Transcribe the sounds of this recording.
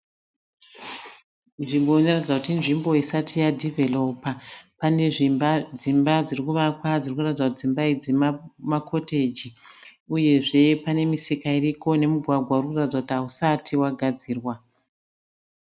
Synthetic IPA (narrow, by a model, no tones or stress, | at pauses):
ʐimbonoratid͡zakutinʐimbo̞isatʰijadʱeve̞lo̞papane̞ʐid͡zimbad͡zirikuʋakwad͡zirikuratid͡zakutid͡zimbaid͡zemamakʰo̞te̞d͡ʒiuje̞ʐe̞pane̞misikairiko̞ne̞muɡʱwaɡʱwaurikuratid͡zakutiɦausatʰiwaɡʱad͡ziːrwa